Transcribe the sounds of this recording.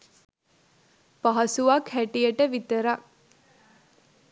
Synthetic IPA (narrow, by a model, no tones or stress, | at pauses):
paɦɐsuʋakhæʈijəʈəʋit̪əɾa